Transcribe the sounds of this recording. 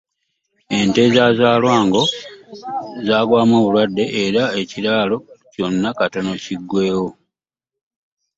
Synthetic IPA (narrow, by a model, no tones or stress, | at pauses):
e̞nte̞zaːzaːlwaːŋɡo̞ | zaːɡwaːmoːβulwadːe̞ʔeɾae̞ciɾaːlo̞co̞nːakatono̞ciɡːwe̞ːwo̞